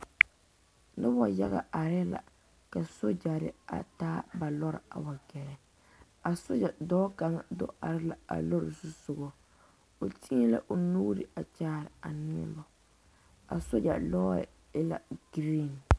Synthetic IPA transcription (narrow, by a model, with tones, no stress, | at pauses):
nɨ˦bɔ˦ja̰˦ɣa̰˨ʔa˨ɾɪ˦la̰˨ | ka˨so˦d͡ʒa˨ɾɪ̰˦a̰˨taː˦ba˨lɔ˦ɾɪ̰˨a̰˨ba˨ɡɛ˨ɾɛ˨ | a˨so˦d͡ʒa˨dɔː˦ka˨ŋ˦˨do̰˦a˨ɾɪ˦la˨a̰˨lo˦ɾɪ̰˨sʊ˦sʊ˨ɡɔ˦ | o˨tʰi˦la̰˦ʔo˨nuː˦ɾɪ˨a˨t͡ʃaː˦˨ɾɪ˨a˨nɪ˦ɛ̰˦ba˨ | a̰˨so˦d͡ʒa˨lɔ̰˦˨ | ɪ˦la̰˨ɡ̥i˦ɾe˦˨n˨